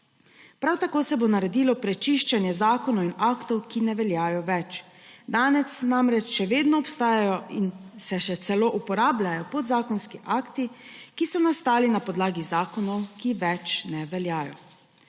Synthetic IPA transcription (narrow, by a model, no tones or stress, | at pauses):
pɾawt̪akoːsɛbonaɾɛd̪iːlɔpɾɛt͡ʃiʃt͡ʃanjɛzaːkɔnɔwinakt̪ɔwkinɛʋɛljaːjɔʋɛt͡ʃ | d̪aːnɛsnamɾɛt͡ʃʃɛʋeːd̪nɔɔpst̪aːjajɔinsɛʃɛt̪sɛloːʔupɔɾaːblajɔpɔd̪zaːkɔnskiʔaːkt̪ikisɔnast̪aːlinapɔd̪laːɡizaːkɔnɔwkiʋɛt͡ʃnɛʋɛljaːjɔ̰